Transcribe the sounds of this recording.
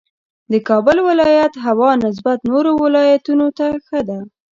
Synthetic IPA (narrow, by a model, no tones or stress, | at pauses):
d̪əkɑbʊlwɪlɑjat̪ɦawɑnɪs̬bat̪noɾowɪlɑjat̪unot̪axəd̪a